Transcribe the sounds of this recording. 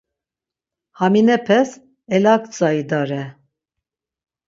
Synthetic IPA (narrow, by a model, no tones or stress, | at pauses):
haminɛpʰɛs | ɛlakt͡sʼaid̪aɾɛ